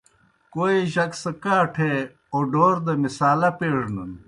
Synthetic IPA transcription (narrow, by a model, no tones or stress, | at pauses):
koːiʑɐksɐkaːʈʰe | oːɖoːɾd̪ɐmisaːlɐpeːɽnɐn